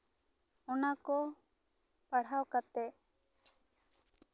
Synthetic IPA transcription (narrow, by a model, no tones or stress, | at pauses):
ɔnakɔ | paɽ̤awkat̪ɛ